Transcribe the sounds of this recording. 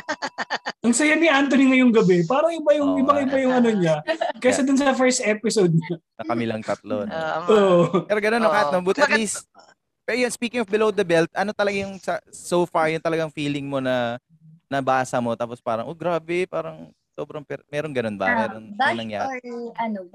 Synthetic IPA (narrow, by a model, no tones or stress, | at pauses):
ʔɐŋsɐjaniʔant̪oniŋɐjʊŋɡɐbɛpaːɾɐŋɪbajʊŋɪbaŋɪbɐjʊŋɐnoɲakɛsɐd̪ʊnsɐfɛɹst̪ɛpɪsod̪̚ɲɐnɐkɐmɪlɐŋt̪ɐt̪lonoʔpɛːɾoɡɐnonːokaːhɪt̪nɐmɐbuːt̪ɐt̪lis | pɛɾojonspiːkɪŋɔfbɪlowd̪ɐbɛlt̪̚ʔɐno̞t̪ɐlɐɡajʊŋsɐsowfaɹjʊŋt̪ɐlɐɡaŋfiːlɪŋmo̞nɐ | nɐbaːsɐmo̞t̪aːpospaːɾɐŋʔoɡɾaːbɛpaːɾɐŋ | so̞ːbɾɐŋpɛmɛːɾoŋɡɐno̞nbɐ̰mɛːɾonnɐŋja̰ːɾɐn